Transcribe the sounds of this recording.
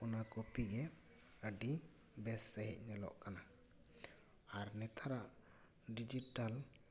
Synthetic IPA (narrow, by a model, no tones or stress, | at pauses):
unakopiɡɛ | əɖi | bɛsːɛɦɛ̰c̚ˀnɛlɔ̰ʔkana | aɾnɛt̪ʰaɾaʔ | ɖid͡ʒiʈal